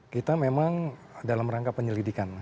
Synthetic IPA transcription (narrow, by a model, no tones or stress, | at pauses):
kit̪amemaŋ | dalamraŋkapəɲəlidikan